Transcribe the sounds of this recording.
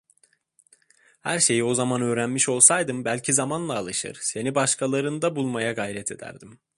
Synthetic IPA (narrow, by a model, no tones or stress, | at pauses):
hæɾʃe̞jio̞zamanø̞ːɾænmiʃo̞lˠsajd̪ɯmbælʲcʰizamanlˠaːlˠɯʃɯ̰ɾ̥se̞nibaʃkʰalˠaɾɯnd̪abulˠmajaɡajɾɛt̪ʰe̞d̪æ̰ɾd̪im